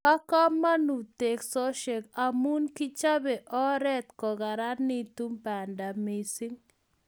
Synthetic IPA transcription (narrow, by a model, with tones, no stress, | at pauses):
a˦ka˦ma˦nu˨te˨ksɔ˦ʃe˨ka˨mu˦nki˦t͡ʃa˦bɛ˨ʔɔ˦ɾɛ˦t̪kɔ˨ɡa˨ɾa˦ni˦tu˦mba˨nda˨mi˨si˦ŋ